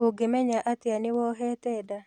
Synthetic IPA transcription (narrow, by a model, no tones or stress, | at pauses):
ʊɡɪmɛɲaʔat̪ɪanɪwɔɦɛt̪ɛda